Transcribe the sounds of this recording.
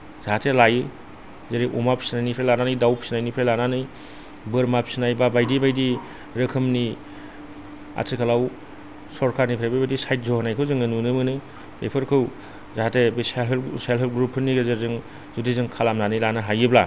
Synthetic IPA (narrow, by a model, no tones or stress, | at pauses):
z̥aɦatʰelajɯ | zeɾiʔumapsinajnipʰɾelananɯjdawpsinajnipʰɾelananɯj | bɯɾmap̚sinajbabajdibajdi | ɾɯkʰɯmni | a̰tʰikʰalaw | sɔɾkʰaɾnipʰɾajbabajdisajt̚zɔhanajkʰɯwzɯŋɯnunɯmɯnɯ | bḛpʰɯɾkʰɯw | zaɦatʰebiselɦelselɦelɡɾupʰːɯnːiɡɯzeɾzɯŋ | zudizɯŋkʰalamnanɯjlanɯɦajɯbla